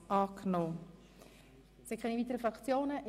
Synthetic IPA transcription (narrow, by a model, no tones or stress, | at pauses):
ʔɑːknoː | sɪkχɛniviːtəɾəfɾɑkt͡sjoːnəʔ